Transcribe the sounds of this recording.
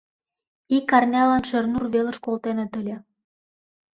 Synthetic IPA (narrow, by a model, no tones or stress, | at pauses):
ikːɑrnʲɑlɑnʃernurβeləʃkolt̪enet̪əlʲe